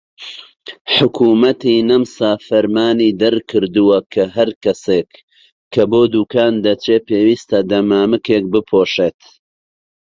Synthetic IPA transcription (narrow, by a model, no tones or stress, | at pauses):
ħʊkʰuːmɐt̪iːnɐmsaːfɐɾmaːniːd̪ɐɾkʰɨɾd̪uwɐkʰɐɦɐɾkɐseːkːʰ | ɐboːd̪uːkaːnd̪ɐt͡ʃeːpeːwiːst̪ɐd̪ɐmaːmɨkeːk̚bɨpʰoːʃeːt̪